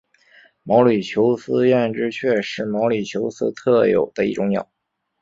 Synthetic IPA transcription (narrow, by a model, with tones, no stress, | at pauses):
mɑ˧˥ʊly˨˩t͡ɕʰjo˧˥ʊsɹ̩˥ɥɛ˥˩nʈ͡ʂɻ̩˥t͡ɕʰɥɛ˥˧ʂɻ̩˥˩mɑ˧˥ʊly˨˩t͡ɕʰjo˧˥ʊsɹ̩̰˥t̪ʰɤ˥˩jo̰˨˩ʊd̪̥ə˦i˥˩ʈ͡ʂʊ˧˥ŋnjɑ̰˨˩˦